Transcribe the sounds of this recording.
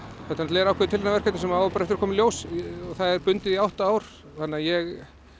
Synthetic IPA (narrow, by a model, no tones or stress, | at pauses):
θɛht̪anat̪lɛːɾawkʰaɾit̪ʰɪlnavɛɾ̥kɛt̪nɪsɛmawɪpaɾɛft̪ɾ̥kʰɔːmɪljowsɔɣθaðɛɾpʏnt̪ɪðiawht̪aaːwɾ̥ | θanːɪaðjɛɣ